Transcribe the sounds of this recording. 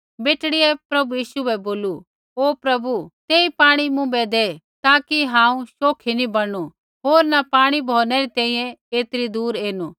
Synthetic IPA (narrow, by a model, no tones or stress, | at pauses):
beːʈɽiɛpɾɐbujiːʃuɛboːlu | oːpɾɐbut̪eːipaːɽ̃imʊ̃bɛd̪eː | t̪aːkiɦãːũʃoːkʰinibɐɽ̃u | ɦoːɾnapaːɽ̃ibʱoːnɛɾit̪ɛ̃ːĩjɛ̃eːt̪ɪɾid̪uːɾeːnuː